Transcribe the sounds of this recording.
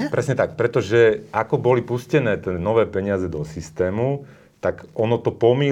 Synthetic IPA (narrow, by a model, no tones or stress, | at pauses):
pɾɛsɲɛt̪ak̚pɾɛt̪ɔʒɛʔakɔbɔlipuscɛnɛːt̪ɛnɔʋɛːpɛɲɪazɛd̪ɔsist̪ɛːmu | t̪aɡɔnɔt̪ɔpɔmi